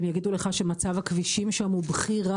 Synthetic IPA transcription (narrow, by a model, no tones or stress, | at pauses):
mjaɡid̪uleχaʃe̞mat͡savhakviʃimʃamubχiʁa